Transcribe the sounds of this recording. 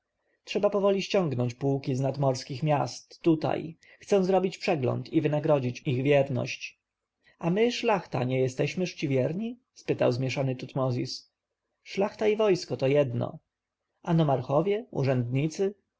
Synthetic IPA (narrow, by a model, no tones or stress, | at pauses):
tʂɛbapɔvɔlʲiɕt͡ɕɔ̃ŋɡnɔɲt͡ɕpuwkʲiznad̪mɔɾskʲixmʲjast̪ːut̪a̰j | xt̪sɛ̃w̃zɾɔbʲit͡ɕpʂɛɡlɔ̰nt̪ivɘnaɡɾɔd͡ʑit͡ɕiɣvʲjɛɾnɔ̰ɕt͡ɕ | amɘʂlaxt̪a̰ɲɛjɛst̪ɛɕmɘʂt͡ɕivʲjɛɾɲi | spɘt̪a̰wzmʲjɛʂanɘt̪ut̪mɔzʲis | ʂlaxt̪aivɔjskɔt̪ɔjɛd̪nɔ̰ | anɔmaɾxɔvʲjɛṵʐɛnd̪ɲit̪sɘ